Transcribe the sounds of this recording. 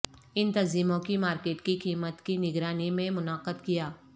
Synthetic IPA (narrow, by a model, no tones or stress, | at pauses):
ɪnt̪ɐziːmõkimaːɾkeːʈkikiːmət̪kinɪɡɾaːnimẽmʊnaːqəd̪kijaː